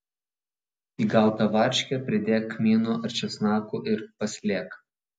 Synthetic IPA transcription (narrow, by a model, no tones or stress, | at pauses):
iːɡɐˑlˠˑt̪ɐʋɑˑɾʲʃʲkʲɛpʲɾʲɪd̪ʲeːkːmʲiːnuʔɐɾʲt͡ʃʲɛsnɑːkuːʔɪɾpɐsʲlʲeːk